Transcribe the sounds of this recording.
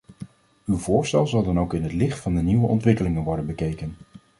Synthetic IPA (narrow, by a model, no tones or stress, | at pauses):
ywvʊːɹstɛlˠzɑlˠdɑnowkɪnɦətlɪχtfɑndəniʋəʔɔ̰ntʋɪkəlɪŋənʋɔɹdənbəkejkən